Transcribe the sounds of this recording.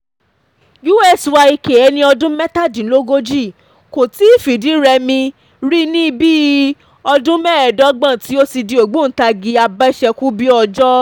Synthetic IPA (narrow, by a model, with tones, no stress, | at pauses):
ju˦ɛ˦˨swa˧i˧ke˨ɛ˧˦nĩ˧ɔ˧dũ˦mɛ˦ta˦˨dĩ˨˦lo˦ɡo˦d͡ʒi˦˨ | ko˨ti˦i˦˨fi˨di˨˦ɾɛ˧mĩ˧ | ɾi˦nĩ˦˧biː˦ | ɔ˧dũ˦mɛ˦ɛ˨dɔ˨˦ɡ͡bã˦˨ti˨˦o˦si˧di˧˦o˨ɡ͡bo˦˨n̩˨˦ta˧ɡi˨˧˦a˧ba˦ʃɛ˧ku˦bi˦ɔ˧d͡ʒɔ˦